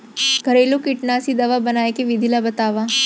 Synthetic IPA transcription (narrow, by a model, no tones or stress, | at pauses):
ɡʱəɾelukiʈnasid̪ɐʋabɐnaːjkeʋid̪ʱilabət̪aːʋa